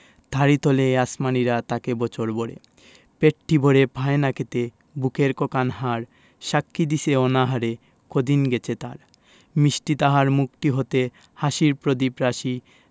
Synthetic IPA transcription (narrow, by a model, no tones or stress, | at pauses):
t̪aɾit̪oleeasmaniɾat̪akebɔt͡ɕʰoɾboɽḛ | peʈʰːibʱoɾepʰaenakʰet̪e | bukeɾkokanɦaɾ | ʃakʰːid̪iseonaɦaɾe | kʰod̪inɡɛt͡ɕʰet̪a̰ɾ | miʃʈit̪aɦaɾmukʈiɦot̪e | haʃiɾpɾod̪ipɾaʃi